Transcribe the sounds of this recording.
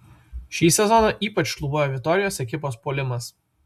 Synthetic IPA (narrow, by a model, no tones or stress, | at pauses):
ʃʲiːsʲɛzɔnɐʔiːpɐt͡ʃʃlˠuːboːjoːʋʲɪk̚t̪ɔɾʲɪjoːsɛkʲɪpoːspoːlʲɪmɐs